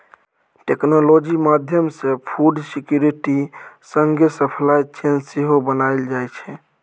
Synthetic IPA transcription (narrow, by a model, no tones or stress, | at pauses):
ʈeknolod͡ʒimad̪ʱjəmsepʰuɖsikjuɾiʈisəŋɡesəpʰlajt͡ʃʰenseɦobənaɪld͡ʒajt͡ʃʰɛ